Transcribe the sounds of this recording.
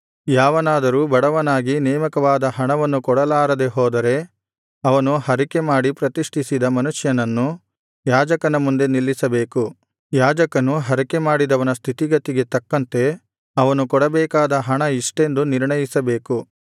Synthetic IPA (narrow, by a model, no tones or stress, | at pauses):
jaːʋɐnaːd̪ɐɾuːbɐɽɐʋɐnaːɡinɛːmɐkɐʋaːd̪ɐɦɐɳɐʋɐnːukɔɽɐlaːɾɐd̪e̞ɦɔːd̪ɐɾe̞ | ɐʋɐnuhɐɾike̞maːɽipɾɐt̪iʂʈʰisid̪ɐmɐnuʂjɐnɐnːu | jaːd͡ʒɐkɐnɐmund̪e̞nilːisɐbeːku | jaːd͡ʒɐkɐnuɦɐɾike̞maːɽid̪ɐʋɐnɐst̪ʰit̪iɡɐt̪iɡe̞t̪ɐkːɐnt̪e̞ | ɐʋɐnukɔɽɐbɛːkaːd̪ɐɦɐɳɐiʂʈe̞nd̪uniɾɳɐjisɐbe̞ːku